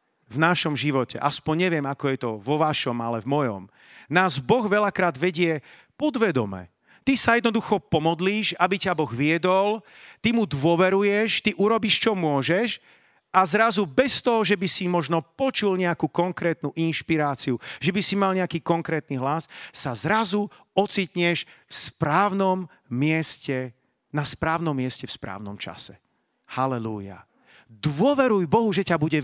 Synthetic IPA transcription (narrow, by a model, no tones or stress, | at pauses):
vnaʃɔmʒiʋɔcɛ̰ʔaspɔɲɲɛʋɪɛmakɔjɛt̪ɔʋɔʋaʃɔma̰lɛvmɔjɔ̰m | naːzbɔɣʋɛʎakɾaːd̪ʋɛɟɪɛ | pɔd̪ʋɛd̪ɔ̰mɛ̰ | t̪isajɛd̪nɔd̪uxɔpɔmɔd̪liːʃabicabɔɣʋɪɛd̪ɔl | t̪imud̪ʋʊɔʋɛɾujɛʃt̪iʔuɾɔbiʃt͡ʃɔmʊɔʒɛʃ | azɾazubɛst̪ɔɦɔʒɛbisimɔʒnɔpɔt͡ʃulɲɛakukɔŋkɾɛːt̪nuʔinʃpiɾaːt͡siuʒɛbisimalɲɛakiːkɔŋkɾɛːt̪̚niɦlasːazɾazu | ɔt͡siːt̪ɲɛʃfspɾaːʊnɔmː | ɪɛscɛ | naspɾaːʊnɔmːɪɛscɛfspɾa̰ːʊnɔmt͡ʃa̰sɛ̥ | halɛlṵja̰ | d̪ʋʊɔʋɛɾujbɔɦuʒɛcabuɟɛ